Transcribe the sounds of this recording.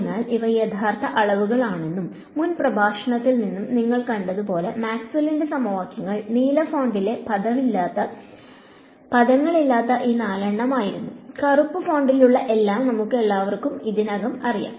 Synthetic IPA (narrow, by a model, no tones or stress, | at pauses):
nːaːliʋɐjed̪ʰʱaːrt̪ːɐʔɐɭɐʋuɣɐɭaːɳe̞nːum | munprɐbʱaːʂɐɳɐt̪ːilninːumniŋːɐɭkɐɳɖɐðupo̞ːle̞maːksʋɐlindesɐmɐʋaːkːjɐŋːɐɭniːlɐfoːɳɖile̞pɐðɐmilːt̪ːɐ | pɐðɐŋːɐɭilːaːt̪ːɐʔiːnaːlɐɳːɐmaːjiɾunːukɐrupːɨfo̞ːɳɖiluɭːɐʔe̞lːaːmnɐmukːɨe̞ɭːaːʋɐrkumiðinɐɣɐmɐrija̰ːm